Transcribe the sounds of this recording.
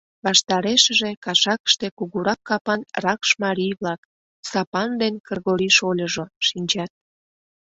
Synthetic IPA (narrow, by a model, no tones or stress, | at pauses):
βɑʃt̪ɑɾeʃəʒekɑʃɑkə̥ʃt̪ekuɣuɾɑkːɑpɑnrɑkʃmɑɾijβlɑk | sɑpɑnd̪enkərɣoɾiʃolʲəʒoʃinʲt͡ɕɑt̪̚